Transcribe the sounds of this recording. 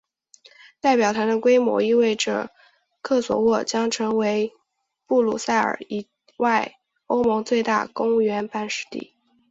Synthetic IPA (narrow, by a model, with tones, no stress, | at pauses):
t̪a˥˩ɪpjɑ˨˩ʊt̪ʰa˧˥nd̪ə˧kwe˥ɪmwɔ̰˧˥i˥˧we˥˩ɪʈ͡ʂɤ̰˨˩ | kʰɤ˥˩swɔ̰˨˩wɔ˥˩t͡ɕjɑ˥ŋʈ͡ʂʰɤ˧˥ŋwe˧˥ɪ | pu˥˩lṵ˨˩sa˥˩ɪə̰˞˨˩i˨˩ | wa˥˩ɪ | o˥ʊmɤ˧˥ŋt͡swe˥˧ɪt̪a̰˥˩kʊ˥ŋɥɛ˧˥npa˥˧nʂɻ̩̥˧˥t̪ḭ˥˩